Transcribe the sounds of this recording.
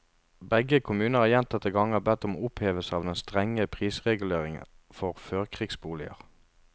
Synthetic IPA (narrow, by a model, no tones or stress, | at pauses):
bɛɡəkʰʊmʉːnəæːʁjɛnt̪ɑt̪ːəɡɑŋəhæːbɛt̪ːɔmo̰ːʊpheːʋəsɑːʋd̪ɛnst̪ʁɛŋːəpʰʁiːsʁɛɡʉleːʁɪŋə̰ | fɔʁføːʁkʰʁiːɡsbuːlɪə̰ʁ